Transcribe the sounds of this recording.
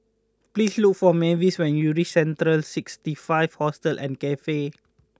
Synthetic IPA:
plisluk̚fɔmeviswɛ̃njuɹisɛ̃ntɾəlsikstifaɪv̥hɔstəlʔɛ̰̃nkɛfe

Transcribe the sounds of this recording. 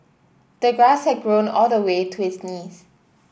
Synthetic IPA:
d̥əɡɹashɛt̚ɡɹõnɔldəwetʰuhɪsniːs

